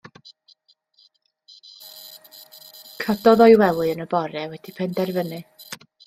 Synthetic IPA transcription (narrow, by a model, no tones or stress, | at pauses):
kʰədɔðɔjwɛlˠɨənəbɔɾɛwɛd̥ipʰɛndɛrvənɨ